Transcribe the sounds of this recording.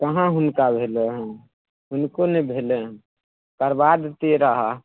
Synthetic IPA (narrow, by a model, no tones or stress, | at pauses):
kəɦãɦʊnkabʱeleɦɛ̃ | ɦʊnkonebʱeleɦ | kəɾbad̪t̪eɾəɦa